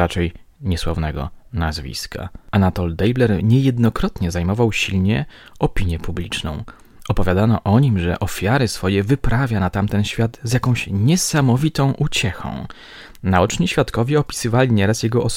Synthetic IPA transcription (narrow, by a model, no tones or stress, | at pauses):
ɾat͡ʂɛjɲɛswavnɛɡɔ̰nazvʲḭska̰anat̪ɔld̪ɛjblɛɾɲɛjɛd̪nɔkɾɔt̪ɲɛzajmɔvawɕilɲɛ | ɔpʲiɲjɛpublʲit͡ʂnɔ̰̃w̃ | ɔpɔvʲjad̪anɔʔɔɲimʐɛ̰ʔɔfʲjaɾɘsfɔjɛvɘpɾavʲjanat̪amt̪ɛnɕfʲjad̪zjakɔ̃w̃ɕɲɛsamɔvʲit̪ɔ̃w̃ʔut͡ɕɛxɔ̰̃w̃ | naɔt͡ʂɲiɕfʲjat̪kɔvʲjɛɔpʲi̥sɘvalʲiɲɛɾasjɛɡɔʔɔ